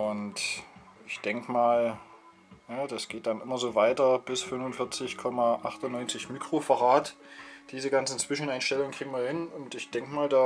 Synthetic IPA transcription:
ʔʊntʔɪçd̥ɛŋkəmaːl | naːdasɡ̥eːt̚d̥anʔɪmɐzoːvaɪtɐb̥ɪsfʏnvʊnfɪɐt͡sɪçkʰɔmaʔaχtʊnːɔʏnt͡sɪçmiːkʁ̥ofaʁaːtd̥iːzəɡant͡sn̩t͡sv̥ɪʃn̩ʔaɪnʃtɛlʊŋnkʁ̥iːɡŋ̩viːɐhɪnʊntɪçd̥ɛŋkəmaːldaː

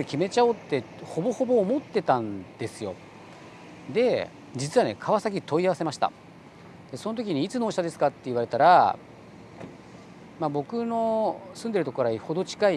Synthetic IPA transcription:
ɾikʲime̞t͡ɕaot̪ːeho̞bo̞ho̞bo̞ːmot̪ːe̞t̪ãnd̪̥e̞sɨjo̞̰ | d̪e̞ | d͡ʑit͡sɨβane̞̰kʰaβasak̬ʲit̪o̞iaβase̞maɕi̥t̪a̰ | d̪̥e̞so̞no̞t̪okʲiɲ̟iːt͡sɨno̞ːɕit̪ad̪e̞sɨ̥kat̪ːe̞iβaɾe̞t̪aɾa | mabo̞kɯ̟no̞sɨ̃nd̪e̞ɾɯ̟t̪o̞koɾaiho̞d̪o̞t͡ɕi̥kai

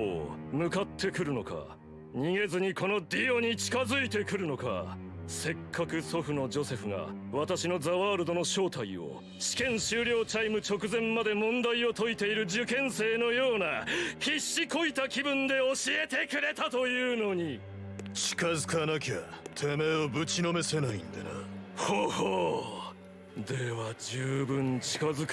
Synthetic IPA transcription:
o̰mɯ̟kat̪ʰːe̞kɯ̟ɾɯ̟no̞̰ka̰ | ɲ̟iŋe̞zɨɲ̟ikʰo̞no̞d̪ʲijo̞ɲ̟it͡ɕi̥kazɨit̪e̞kɯ̟ɾɯ̟no̞ka̰ | se̞kʰːakɯ̟so̞ɸɯ̟no̞d͡ʑo̞se̞ɸɯŋa̰βat̪aɕino̞zaβaːɾɯ̟d̪o̞no̞ɕo̞ːt̪aio̰ | ɕi̥kẽ̞ɰ̃ɕɨːɾʲo̞ːt͡ɕaimɯ̟t͡ɕo̞kɯ̟zẽ̞mmad̪e̞mõ̞nd̪aio̞t̪o̞it̪e̞iɾɯ̟d͡ʑɨkẽ̞ɰ̃se̞ːno̞jo̞ːnaçiɕːiko̞it̪akʲibɯ̟̃nd̪e̞o̞ɕie̞t̪e̞kɯ̟ɾe̞t̪at̪o̞jɯ̟ːno̞ɲ̟i | t͡ɕi̥kazɨkanakʲa̰t̪ʰe̞me̞obɯ̟t͡ɕino̞me̞se̞naḭ̃nd̪a̰nahoho | d̪e̞βad͡ʑɨːbɯ̟̃ɲ̟t͡ɕi̥kazɨk

